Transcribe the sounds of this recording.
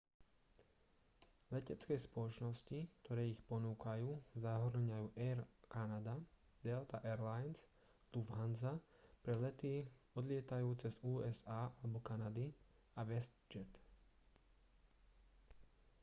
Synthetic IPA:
lɛcɛt͡skɛjspɔlɔt͡ʃnɔscik̚t̪ɔɾɛːixpɔnuːkajuːzaɦɾɲajuːʔɛɾkanad̪a | d̪ɛlt̪aʔɛɾlajns | luvɦanza | pɾɛlɛt̪i | ɔd̪lɪɛt̪ajuːt͡sɛzuːɛzaːalɛbɔkanad̪i | aʋɛst̪d͡ʒɛt̪

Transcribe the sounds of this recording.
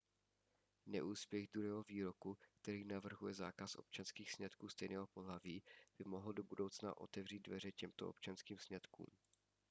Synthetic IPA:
nɛʔuːspjɛɣd̪ɾuɦɛːɦoviːɾo̞kuk̚t̪ɛɾiːnavr̩ɦujɛza̰ːkasʔo̞̰p̚t͡ʃanskiːxsɲɛt̪kuːst̪ɛjnɛːɦo̞poɦlaviːb̥ɪmoɦl̩do̞budowt͡sna̰ʔo̞̰t̪ɛvr̝iːd̪̚dvɛr̝ɛcɛmt̪oʔopt͡ʃanskiːmsɲɛt̪kṵːm

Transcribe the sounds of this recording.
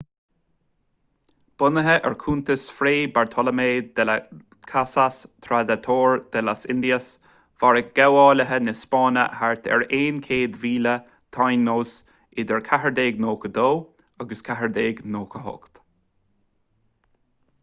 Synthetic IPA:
b̥ʊnəɦəʔɛ̰ɹkʰuːnt̪əsfɾeːbaɹt̪ʰɔləmeːd̪ɛlə | kʰasast̪ʰɾad̪at̪ʰoːɹd̪̥ɛlasɪ̰nd̪iəs | v̥aɹəɡ̥ɛwɑːləɦənɪspɑːnə̰haɹt̪ʰɛ̰ɹeːnkʰeːd̪viːlə | t̪ʰajnːoːs | ɪd̪ɛɹkʰaɦəɹd̪eːɡnoːkəd̪oː | aɡəskʰaɦəɹd̪eːɡnoːkʰəɦɔ̰kt̪

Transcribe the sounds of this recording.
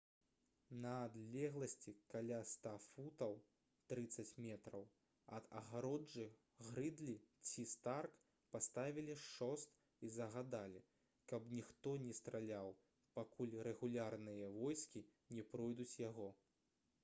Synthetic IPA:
nɐːd̪lʲɛɣlˠɐsʲt͡sʲikalʲast̪afut̪ɐw | t̪ɾɨt̪sɐt͡sʲmʲɛt̪ɾɐw | ɐd̪ɐ̰ɣaɾɔd͡ʐɨ | ɣɾɨd̪lʲit͡sʲist̪ark | past̪avʲilʲiʂɔst̪ | izɐɣad̪alʲi | kɐpnʲixt̪ɔnʲɛst̪ɾʔalʲaw | pakulʲrɛɣulʲarnɨjɐvɔjskʲi | nʲɛpɾɔjd̪ut͡sʲjaɣɔ

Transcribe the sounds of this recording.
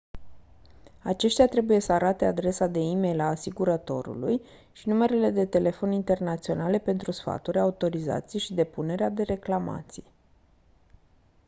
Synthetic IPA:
at͡ʃe̞ʃt̪ʲat̪ɾe̞buje̞səaɾat̪e̞ad̪ɾe̞sad̪e̞ime̞jlaːsiɡuɾət̪o̞̰ɾṵluj | ʃinume̞ɾele̞d̪e̞t̪e̞le̞fo̞nint̪e̞rnat̪sio̞nale̞pe̞nt̪ɾusfa̰t̪uɾʲaut̪o̞ɾiza̰t̪sijeʃid̪e̞pune̞ɾead̪e̞ɾe̞klama̰t̪sij

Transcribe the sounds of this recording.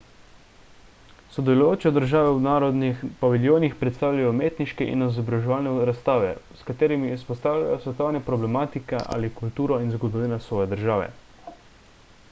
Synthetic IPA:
sɔd̪ɛlujoːt͡ʃɛd̪əɾʒaːʋɛwnaːɾɔd̪nipaʋiljoːnixpɾɛt̪st̪aːwljajɔmeːt̪niʃkɛʔḭnɔzɔbɾaʒɛʋaːlnɛɾast̪aːʋɛ̰skat̪eːɾimiːspɔst̪aːwlja̰jɔsʋɛt̪ɔwnɛpɾɔblɛmaːt̪ikɛʔa̰ːlikult̪uːɾɔinzɡɔd̪ɔʋiːnasʋɔːjɛd̪əɾʒaːʋɛ̰

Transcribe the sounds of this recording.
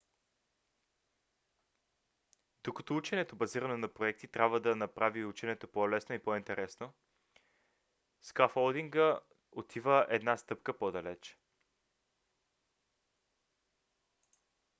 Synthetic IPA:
d̪̥okɐt̪ɔut͡ʃɛnɛt̪obɐziɾɐnɛnɐpɾoɛk̚t̪it̪ɾʲabvəd̪ɐnɐpɾaviut͡ʃɛnɛt̪opɔlɛsnoipɔint̪ɛɾɛsno | skafolˠd̪iŋɡə | ot̪ʰivəʔɛd̪nast̪ɤpkəpod̪ɐlɛt͡ʃ

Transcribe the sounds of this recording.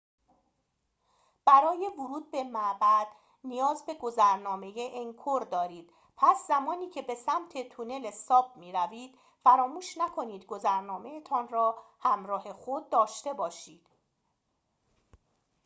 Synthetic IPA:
b̥æɾɒːje̞voɾuːd̪̚be̞mæʔbæd̪̥ | nijɒːzbe̞ɡo̞zæɾnɒːme̞jeʔeŋkʰoɾd̪ɒːɾiːd̪̥̚ | pʰæszæmɒːniːcʰe̞be̞sæmt̪ʰe̞t̪ʰune̞lesɒːb̚miːɾæviːd̪̥ | fæɾɒːmuːʃnækʰo̞niːd̪ɡo̞zæɾnɒːme̞et̪ʰɒːnɾɒːhæmɾɒːɦe̞xod̪̚ːɒːʃt̪e̞bɒːʃiːd̪̥

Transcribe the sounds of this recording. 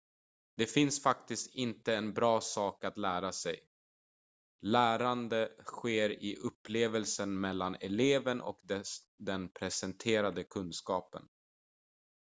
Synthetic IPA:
d̪ɛfɪnsfakt̪ɪst̪ɪnt̪əɛnbɾɑːsɑːkat̪læːɾasɛj | læːɾand̪əɧeːɾɪʔɵpːleːvəlsənmɛlːanɛleːvənʔɔ̰kd̪ɛ | d̪ɛnpʰɾɛsɛnt̪ʰeːɾad̪əkʰɵnskɑːpə̰n

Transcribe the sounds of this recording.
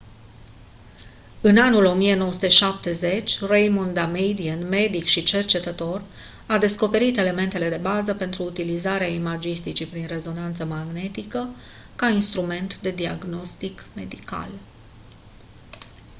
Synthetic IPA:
ɨnanulo̞mije̞no̞wəsut̪e̞ʃap̚t̪e̞ze̞t͡ʃʲrejmond̪amejd̪iənme̞d̪ikʃit͡ʃe̞rt͡ʃe̞t̪ət̪o̞r | ad̪e̞sko̞pe̞ɾit̪e̞le̞me̞nt̪e̞le̞d̪e̞bazəpe̞nt̪ɾuːt̪ilizaɾeaimad͡ʒist̪it͡ʃipɾinre̞zo̞nant̪səmaɡne̞t̪ikə | kainst̪ɾume̞nt̪d̪e̞d̪ia̰ɡno̞st̪ikme̞̰d̪ika̰l

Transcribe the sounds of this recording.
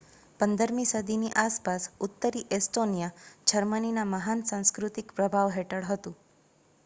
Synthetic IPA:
pənd̪əɾmĩsəd̪ʱiniʔaspasʊt̪ːəɾiʔesʈonijad͡ʒəɾməninaməɦansãw̃skɾʊt̪ikpɾəbʱaʋɦeʈəɭɦət̪ũ

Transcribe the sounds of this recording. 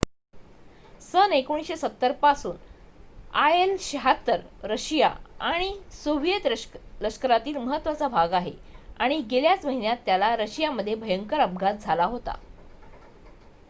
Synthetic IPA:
sənekoɽ̃isɕesət̪ːəɾpasuːn | aelɕɦat̪əɾɾəɕija̰aɽ̃isoʋjet̪ləskəɾat̪iːlməɦət̪ːʋat͡sabʱaɡaɦeaɽ̃iɡeljat͡sməɦinjat̪ːjalaɾəɕijaməd̪ʱːjebʱəjəŋkəɾəb̚ɡʱat̪̚d͡zʱalaɦot̪a̰

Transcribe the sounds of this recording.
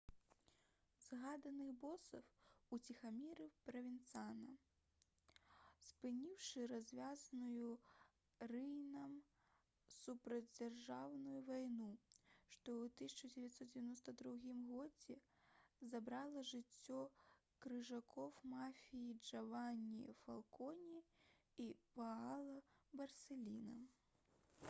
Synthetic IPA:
z̥ɣad̪ɐnɨxbɔsɐfut͡sʲixamʲiɾɨpɾɐvʲint̪sanɐ | spɨnʲiwʂɨɾazʲvʲaznuju | rɨjnɐm | supɾɐd͡zʲd͡zʲarʐawnujuvajnuʂt̪ɔwt̪ɨsʲɐt͡ʂɐd͡zʲɛvʲjat̪sɔt̪̚d͡zʲɛvʲanɔst̪ɐd̪ɾuɣʲimɣɔd͡zʲɛ | zabɾalˠɐʐɨt͡sʲːɔ | kɾɨʐakʰɔwmafʲijid͡ʐavanʲːifalˠkɔnʲi | ipaalˠɐbɐrsʲɛlʲinɐm

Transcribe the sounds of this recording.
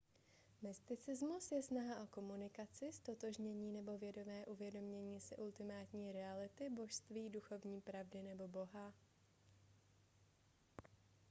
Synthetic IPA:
mɪst̪ɪt͡sɪzmusjɛsnaɦaʔo̞ko̞munɪkat͡sɪst̪o̞t̪o̞ʒɲɛɲiːnɛbo̞vjɛdo̞vɛːʔuvjɛdo̞mɲɛɲiːsɪʔult̪ɪmaːt̪ɲiːɾɛalɪt̪ɪbo̞ʃst̪viːduxo̞vɲiːpɾavdɪnɛbo̞bo̞ɦa

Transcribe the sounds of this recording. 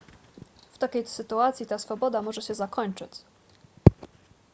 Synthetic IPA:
ft̪akʲejt̪sɘt̪uat̪sʲjit̪asfɔbɔd̪amɔʐɛɕɛzakɔɲt͡ʂɘt͡ɕ

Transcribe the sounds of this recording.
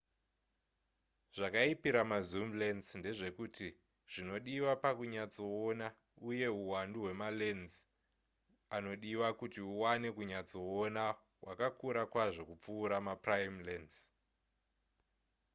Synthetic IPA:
ʐ̥akaipiɾamazumle̞nznde̞ʐe̞kuti | ʐ̥ino̞ɗiwapakuɲat͡so̞ona | uje̞uwanduɦwe̞malenz | ano̞ɗiwakutiuwane̞kuɲat͡so̞ona | wʔakakuɾakwaʐo̞kup͡fuːɾamaprajimlenz

